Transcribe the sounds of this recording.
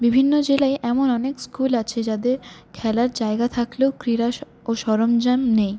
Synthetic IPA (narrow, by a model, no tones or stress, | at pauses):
bibʱinːod͡ʑelaeʔɛmonɔnekskulat͡ɕʰed͡ʑad̪eɾkʰɛlaɾd͡ʑaeɡat̪ʰakleokɾiɾaʃ | oʃɔɾomd͡ʑamnej